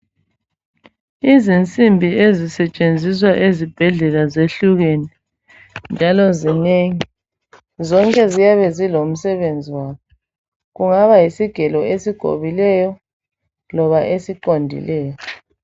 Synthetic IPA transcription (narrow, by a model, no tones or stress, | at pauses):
izint͡sʼimbʱiezisɛt͡ʃʼend͡zʱis̬waʔezib̥ʱɛɮɛlazeɬuɣeni | nd͡ʒʱalɔzineŋi | zɔŋkʼɛzijaβɛzilom̩sɛβend͡zʱiwaːkʰɔ | ɣuŋaβajisiɡ̥ʱɛlɔesiɡ̥ʱo̰βilɛjɔ | lɔβaʔesiǃondʱḭlɛːjɔ